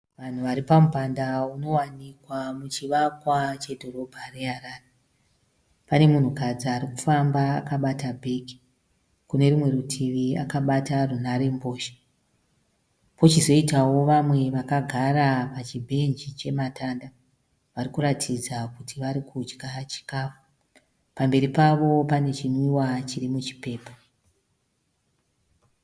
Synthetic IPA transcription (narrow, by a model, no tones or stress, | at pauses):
ʋan̤uʋaɾipamupandauno̞wanikwamut͡ʃiʋakwat͡ʃe̞dʱo̞ɾo̞bʱareɦaraːre | pane̞mun̤ukad͡ziaɾiku̥famba̰ːkaɓatabʱeki̥ | kune̞rimwe̞ɾutʰiʋiakaɓatarunaɾe̞mbo̞ːʃi̥ | po̞t͡ʃizo̞itawo̞ʋamwe̞ʋakaɡʱaɾapat͡ʃibʱe̞nd͡ʒit͡ʃe̞matanda | ʋaɾikuɾatʰid͡zakutʰiʋaɾikʰut͡ʃkat͡ʃi̥kaːfu̥ | pambe̞ɾipaʋo̞pane̞t͡ʃiniwat͡ʃirimut͡ʃi̥pe̞ːpo